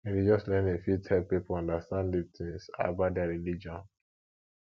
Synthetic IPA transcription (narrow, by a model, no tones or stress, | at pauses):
edid͡ʒɔslɛ̃nefjutʰɛlpipɔɔ̃ndastãnditĩŋsa̰badɛaɹilid͡ʒɔ̃n